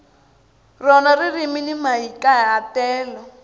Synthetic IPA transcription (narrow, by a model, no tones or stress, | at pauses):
rɔnaririminimaikajaːtɛːlɔ